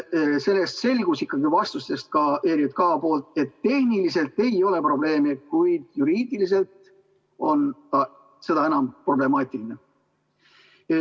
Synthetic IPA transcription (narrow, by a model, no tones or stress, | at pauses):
se̞lːe̞st̪se̞lʲɡ̥usikːˑɑɡivɑst̪ust̪e̞st̪̚kɑeɾjut̪̚kɑːpo̞ːlt̪̚ˑe̞t̪ːe̞hnilise̞lt̪e̞jo̞le̞pro̞ble̞ːmekujd̪̥juɾiːd̪̥ilis̬e̞lt̪ | o̞nɑ | se̞d̪̥ɑe̞nɑmpro̞ble̞mɑːt̪ʲˑiline